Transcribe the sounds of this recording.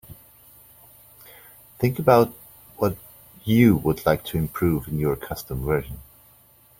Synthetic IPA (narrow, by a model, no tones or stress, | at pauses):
θɪ̃ŋkəbaʊt̚ | wʌt | ɨwədˡlaɪk̚tʰɨɨ̃mpʰɹ̥ʉvɨ̃njə˞kʰʌstə̃mvɜ˞ʒə̃n